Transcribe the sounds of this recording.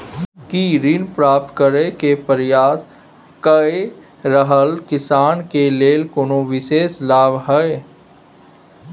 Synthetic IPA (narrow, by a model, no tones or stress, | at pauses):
kiɾɪnpɾaːp̚t̪kəɾekepəɾjaːs | kəe | ɾəɦəlkɪsaːnkeleːlkonoʋɪʃeːslaːbɦɛe